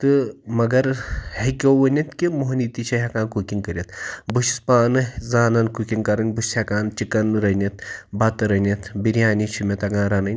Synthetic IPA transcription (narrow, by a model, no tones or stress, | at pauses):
t̪ɨmɐɡɐɾhekʲowʋɐnʲit̪kimoɦnit̪it͡ʃʰiɦekaːnkukʲiŋkəɾʲjit̪buʃispaːnɨzaːnɐnkukʲiŋkɐɾɐnʲbusʲhekaːnt͡ʃikɐnɾɐnʲit̪̚bɐt̪ɾɐnʲɐt̪biɾʲjaːnit͡ʃʰimʲɐt̪ɐɡãːɾaːnɐnʲ